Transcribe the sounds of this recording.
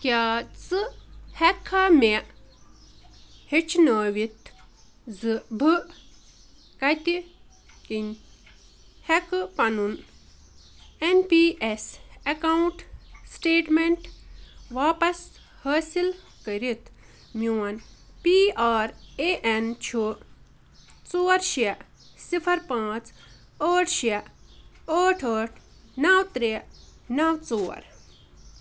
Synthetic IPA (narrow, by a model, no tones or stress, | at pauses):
kʲjaːt͡sɨhɛkʰːame | het͡ʃʰnəʋit̪ | zɨbʱɨ | kɐt̪i | kinʲ | hɛkɨpɐnun | enpiʔesɐkawuɳʈsʈeːʈmeɳʈʋaːpɐs | hɐːsil | kəɾit̪ | muːɐnpiːaːɾeʔent͡ʃʰu | t͡soːɾʃe | sipʰɐɾpãːt͡s | əːʈʰʃe | əːʈʰəːʈʰ | nawt̪ɾenawt͡soːɐ̰ɾ